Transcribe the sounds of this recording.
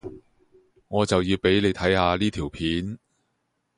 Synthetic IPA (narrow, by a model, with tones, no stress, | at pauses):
ŋɔː˨˧t͡sɐ˨wjiː˧wpe˨˥jne˨˧jt̪ʰɐ˨˥jhaː˧liː˥t̪ʰiː˨˩wpʰiː˨˥n